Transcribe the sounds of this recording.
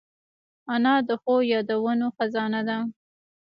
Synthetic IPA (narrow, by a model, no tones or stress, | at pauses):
anɑd̪əxojɑd̪awənoxazɑnad̪a